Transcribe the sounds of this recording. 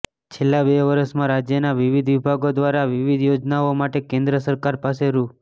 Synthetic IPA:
t͡ʃʰelːabeʋəɾəsmãɾad͡ʒjənaʋiʋid̪ʋibʱaɡod̪ʋaɾaʋiʋid̪jod͡ʒnaomaʈekẽnd̪ɾəsəɾkaɾpaseɾu

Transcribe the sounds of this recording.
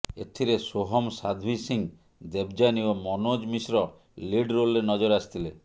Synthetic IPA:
ḛt̪ʰiɾesoɦɔmsad̪ʱwisiŋ | d̪ebd͡ʒaniomɔnod͡ʒmisɾɔ | liɖɾolːenɔd͡ʒɔɾast̪ʰile

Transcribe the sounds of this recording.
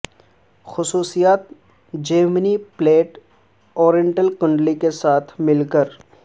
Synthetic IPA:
xʊsuːsijaːt̪̚ | d͡ʒəːɾmənipleːʈ | ɔːɾjə̃ɳʈəlkʊ̃ɳɖlikesaːt̪ʰmɪlkəɾ

